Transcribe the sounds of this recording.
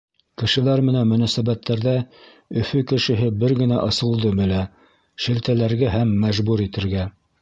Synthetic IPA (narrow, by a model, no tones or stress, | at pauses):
kɘ̆ʃɘ̆læɾmɘ̆nænmɵ̆næsæβæt̪ːæɾðæ | ɵ̆fɵkɘ̆ʃɘ̆ɦɘbɘɾɡɘ̆næʔɤ̆sɤ̆lˠd̪ɤbɘ̆læ | ʃɘ̆lt̪ælæɾɡæɦæmːæʒbuɾit̪ɘ̆ɾɡæ